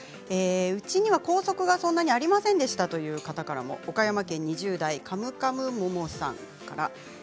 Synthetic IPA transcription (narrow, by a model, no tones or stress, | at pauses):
eːɯ̟t͡ɕiɲ̟iβako̞ːso̞kɯ̟ɡasõ̞nːaɲ̟iaɾʲimasẽnd̪e̞ɕi̥t̪at̪o̞jɯ̟ːkat̪akaɾa̰mo̞̰okajamakẽ̞ɲ̟ːiʑɨːd̪aikʰamɯ̟kamɯ̟momo̞ɕsã̰ŋ | ka̰ɾa̰